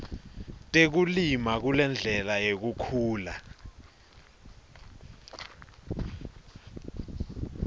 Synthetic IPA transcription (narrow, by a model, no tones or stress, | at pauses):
tʼek̬ulimak̬ulɛnd͡ɮʱɛlajek̬ukʰuːla